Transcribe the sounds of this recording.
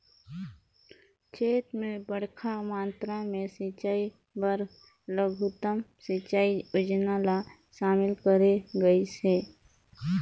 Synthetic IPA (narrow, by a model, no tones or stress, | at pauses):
t͡ʃʰeːt̪mẽbəɽ̤kʰamãːnt̪ɾamẽsit͡ʃaːi | bəɾ | ləɡʱut̪əmsɪt͡ʃaːiʊd͡ʒnala | ʃaːmɪlkəɾeɡəiseː